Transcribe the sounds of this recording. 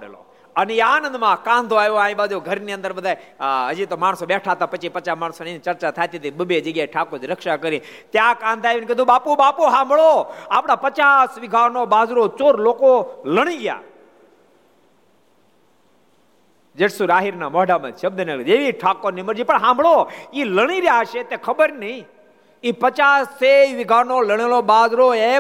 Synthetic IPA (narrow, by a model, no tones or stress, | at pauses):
ɽḛlo̰ | əneeaːnə̃nd̪mãkãnd̪ʱoajʋoãĩbad͡ʒoɡʱəɾniənd̪əɾbəd̪ʱaeɦəd͡ʒit̪omaɽ̃sobeʈʰat̪apət͡ʃʰipət͡ʃamaɽ̃sonet͡ʃəɾt͡ʃat̪ʰajt̪it̪ebəbed͡ʒəɡjaiʈʰakod͡ʒɾəkʃakəɾĩ | t̪jakãnd̪ʰʱajʋinkəd̪ũbapubapuɦãmbʱɭoaːpɽ̃apət͡ʃasʋɪɡʱaɾnobaːzɾot͡ʃoːɾlokoləɽ̃iɡja̰ | d͡ʒeʈsuɾaːɦiɾnamɔɦɖamã̰t͡ʃʰəb̚d̪ənaɡəd͡ʒeʋiʈʰakoɾniməɾd͡ʒipəɳɦãmbʱɭoiləɽ̃iɾjaʃet̪ekʰəbəɾnəi | ipət͡ʃaseʋɪɡʱanoləɽ̃elobad͡ʒɾoe